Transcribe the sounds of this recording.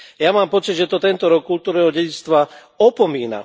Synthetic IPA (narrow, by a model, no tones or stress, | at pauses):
jamaːmpɔt͡siɟʒɛt̪ɔt̪ɛnt̪ɔɾɔkːult̪uːɾnɛːɦɔɟɛɟit͡st̪ʋa | ɔpɔmiːna̰